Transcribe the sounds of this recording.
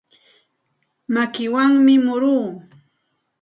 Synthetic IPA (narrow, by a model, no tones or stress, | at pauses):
makɪwaŋmɪmʊɾuː